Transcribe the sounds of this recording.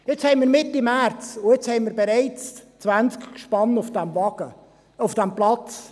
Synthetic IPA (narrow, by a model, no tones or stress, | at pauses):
ɪt͡shɛɪnmiːɾmɪt̪ːimæɾt͡sʊɪt͡shɛɪnmiːɾbɛɾɛɪt͡st͡svænt͡skkʃpɑnufd̥ɛmvɑɡ̥ə | ʊfd̥æmplɑt͡s